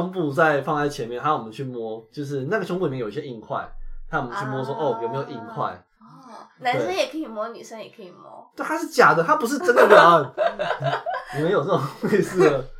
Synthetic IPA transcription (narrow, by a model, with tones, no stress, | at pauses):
ŋpu˥˧t͡sa˥˧ɪfɑ˥˧ŋla˧˩ɪt͡ɕʰjɛ˧˦nmjɛ˥˨nʰa˦˥wɔ˨˩mə˨˦nt͡ɕʰy˥˩mwɔ˥t͡ɕjo˥˧ʊʂ̬ɻ̩˥˧na˥˩ɡə˩˥ŋpu˥˨mjjo˨i˧ɕɛ˧˦i˥˧ŋkʰwa̰˥˩ɪt̪ʰa˦˥jmə˦nt͡ɕʰy˥˩mwɔ˥swɔ˥ʔo˥˩˨jme˧˥jʔi˥˧ŋkʰwa̰˥˩ɪ˥ | na˧˦en˥˩ʂə˥˦njɛ˨˩kʰə˧˥i˨˩mwɔ˥ny˨˩ʂə˦ŋjɛ˨˩kʰə˧˦i˨˩mwɔ̰˦˥t̪we˥˩ɪta˧˥ʂɻ̩˥˩t͡ɕja˨˩d̪ə˨t̪ʰa˦˥pu˧˥ʂ̬ɻ̩˥˧˩ʈ͡ʂə˥nd̪ə˨la˥˨˦a˥˨˩n | i˨me˧˥jo˨˩nə˥˩ɔ˨ŋwe˥˧ɪsɹ̩˥˩ə˩